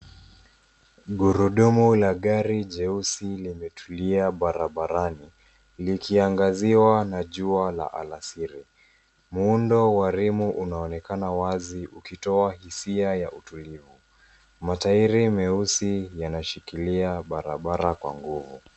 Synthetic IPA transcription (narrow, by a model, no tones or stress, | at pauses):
ɠuɾuɗumulaɠaɾiʄɛusilimɛtʰuliaɓaɾaɓaɾani | likʰiaŋɡaziwanaʄuala̰ʔa̰lasiɾi | mundɔwaɾimuʔunaɔnɛkanawaziʔukitɔahisiajaʔutulivu | mataiɾimɛusijanaʃikiliaɓaɾa̰ɓaɾakwa̰ŋɡuvṵ